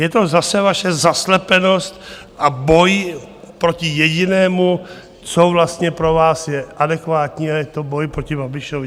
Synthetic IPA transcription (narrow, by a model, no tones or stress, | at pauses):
jɛt̪o̞zasɛvaʃɛzaslɛpɛno̞st̪ | ʔabo̞j | pɾo̞cɪjɛɟɪnɛːmu | t͡sovlast̪ɲɛpɾo̞vaːsjɛʔadɛkvaːt̪ɲiːajɛt̪o̞bo̞jpɾo̞cɪbabɪʃovɪ